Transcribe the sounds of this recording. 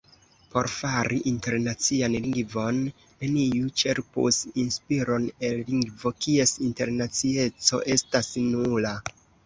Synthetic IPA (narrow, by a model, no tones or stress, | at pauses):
po̞̰ɾfaɾiʔinte̞ɾnat͡sianliŋɡvo̞nː | e̞nijut͡ʃe̞ɾpṵsinspiɾo̞ne̞lliŋɡvo̞kie̞sinte̞ɾnat͡sie̞t͡so̞̰ʔe̞stasnuula